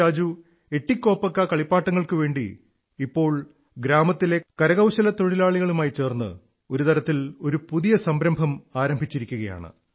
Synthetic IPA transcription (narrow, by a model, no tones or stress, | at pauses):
aːd͡ʑu | e̞ʈːikʲːo̞ːpːɐkːɐkɐɭipːaːʈːɐŋːɐɭkɨʋe̞ːɳɖḭː | pːo̞ːɭ | ɡɾaːmɐt̪ːile̞kɐɾɐɣɐwɕɐlɐt̪o̞ɻilaːɭiɣɐɭumaːjit͡ɕe̞ːrnːɨ̰ | o̞ɾut̪ɐɾɐt̪ːilo̞ɾupuðijɐsɐmbɾɐmbʱɐmaːɾɐmbʱit͡ɕːiɾikʲːuɣɐja̰ːɳɨ̰